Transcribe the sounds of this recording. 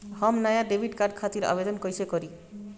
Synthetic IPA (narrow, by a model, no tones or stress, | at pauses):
hɔmnajaɖebʱiɖkaɾɖkʰat̪iɾa̰bed̪ɔnkojsʰekoɾi